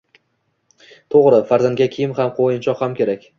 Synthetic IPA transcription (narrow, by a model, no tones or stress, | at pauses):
t̪ʰoʁɾɪfaɾzaŋɡʲakʲʰijɪmɦamqʰojɪnt͡ʃʰɒqhamkʲʰe̞ɾakʲ